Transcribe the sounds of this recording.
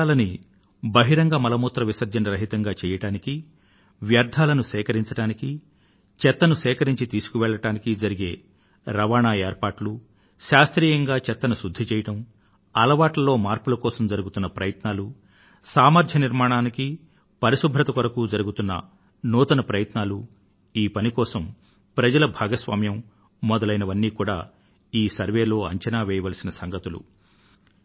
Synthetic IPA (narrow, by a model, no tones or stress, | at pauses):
alɐni | bɐɦiɾɐŋɡaːmɐlɐmuːt̪ɾɐʋisɐɾd͡ʒ̪ɐnɐɾɐɦit̪ɐŋɡaːt͡ʃɛːjɐʈaːniki | ʋjɐɾd̪ʱaːlɐnusɛːkɐɾiɲt͡ʃɐʈaːniki | t͡ʃɛt̪ːɐnusɛːkɐɾiɲt͡ʃit̪iːsu̥kuʋɛːɭːɐʈaːnikid͡ʒɐɾiɡe̞ː | ɾɐʋaːɳaːeːɾpaːʈlu | ʃaːst̪ɾiːjɐŋɡaːt͡ʃɛt̪ːɐnusud̪ʱːit͡ʃɛːjɐʈɐm | ɐlɐʋaːʈlɐlo̞ːmaːɾpulɐkɔːsɐmd͡ʒɐɾuɡut̪unːɐpɾɐjɐt̪naːlu | saːmɐɾd͡ʒʱjɐniɾmaːɳaːniki | pɐɾisubʱɾɐt̪ɐkɐɾɐkud͡ʒɐɾuɡut̪unːɐ̰ | nɔːt̪ɐnɐpɾɐjɐt̪naːlu | iːpɐnikɔːsɐm | pɾɐd͡ʒɐlɐbʱaːɡɐsʋaːmjɐmː | ɔd̪ɐlɐjnɐʋɐnːiːkuːɽa̰ː | iːsɐɾʋeːlo̞ːɐɲt͡ʃɐnaːʋɛːjɐʋaːlsinɐsɐŋɡɐt̪ulṵ